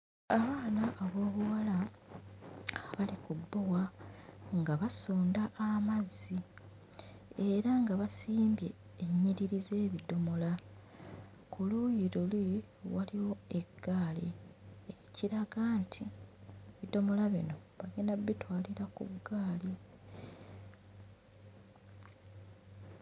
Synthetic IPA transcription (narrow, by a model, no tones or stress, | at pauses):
aβaːnaʔːβo̞ːβuwala | βalikubːo̞wa | ŋɡaβasuːndaʔːmazːi | eɾaŋɡaβasiːmbje̞ː | ɲːiɾiɾize̞ːβido̞mo̞la | kulujiɾuli | waliwo̞e̞ɡ̥ːaːlieciɾaɡaːntʰieβido̞mo̞laβḭno̞βaɡenaβitwaːliɾakṵɡaːli